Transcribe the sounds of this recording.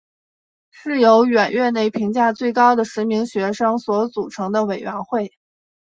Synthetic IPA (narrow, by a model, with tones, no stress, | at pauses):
ʂɻ̩˥˩jo˧˥ʊɥɛ˨˩nɥɛ˥˧ne˥˩ɪpʰi˧˥ŋt͡ɕja˥˧t͡swe˥˩ɪkɑ˥ʊd̪ə˨ʂɻ̩˧˥mi˧˥ŋɕɥɛ˧˥ʂɤ˥ŋswɔ˧˥t͡su˨˩ʈ͡ʂʰɤ˧˥ŋd̪ə˧we˨˩ɪɥɛ˧˥nxwe˥˩ɪ